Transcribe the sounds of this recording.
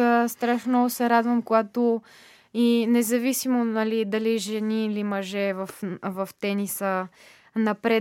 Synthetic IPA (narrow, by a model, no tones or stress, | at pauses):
əst̪ɾaʃnnɔɡʊsɛɾad̪vəmkoɡat̪o | inɛzɐvisimonɐlid̪ɐliʒɛniːlimɐʒɛvɐfvɐft̪ɛnisə | nɐpɾɛ